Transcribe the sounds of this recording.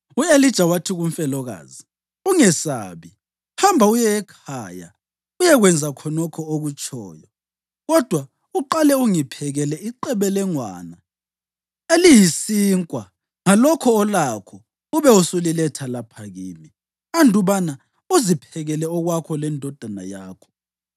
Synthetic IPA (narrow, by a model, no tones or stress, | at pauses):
uelid̥ʒ̥ʱawatʰiɣuɱfɛlɔɣa̰ːzi | uŋɛsa̰ːβi | hambʱaujɛɛkʰaja̰ | ujɛɣwɛnd͡zʱakʰɔnɔkʰɔoɣut͡ʃʰʼɔ̰ːjɔ | ɣɔd̥ʱwa | uǃalɛuŋipʰɛɣɛlɛiǃɛβɛlɛŋwa̰ːna | elijisiːŋkʼwa | ŋalɔkʰɔːlakʰɔ | uβɛusulilɛtʰalapʰaɣini | andʱuβana | uzipʰɛɣɛlɛɔɣwakʰɔlɛndʱɔd̥ʱana̰jaːkʰɔ̥